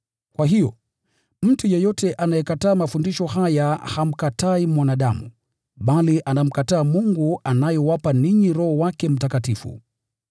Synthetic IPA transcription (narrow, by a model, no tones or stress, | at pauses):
kwaɦijɔ̰ | m̩tujɛjɔtʰɛʔanajɛkataːmafundiʃɔhajaham̩kataimwanaɗamṵ | ɓaliʔanam̩kataːmuŋɡuanajɔwapaniɲiɾɔhɔwakɛm̩takatifṵ